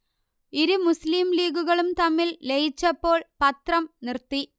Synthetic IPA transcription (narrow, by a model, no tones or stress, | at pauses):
iɾɯmʊsliːmliːɣɯɣɐɭɯmt̪ɐmːɪllejɪt͡ɕːɐpːoːɭpɐt̪rɐmnɪrt̪ːi